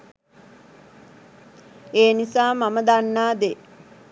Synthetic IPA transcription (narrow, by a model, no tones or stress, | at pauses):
eːnisaːmaməd̪anːaːd̪e